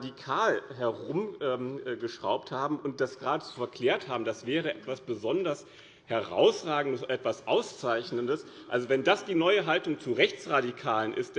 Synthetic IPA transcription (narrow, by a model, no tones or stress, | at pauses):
dikʰaːlɦɛɐʁʊmʔɛːmʔɡəʃʁ̥a̰ʊp̚thaːbm̩ʔʊnt̚d̥asɡ̥ʁaːdəzofɛɐkʰl̥ɛːɐthaːbm̩dasv̥ɛːʁ̞əʔɛtv̥asb̥əzɔndɐs | hɛʁa̰ʊsʁaːɡŋ̩dəsʔɛtv̥asʔaʊst͡saɪçnəndəs | ʔalzovɛndasd̥iːnɔʏəɦaltʊŋt͡suʁɛçt͡sʁadikʰaːlənʔɪ̰std̥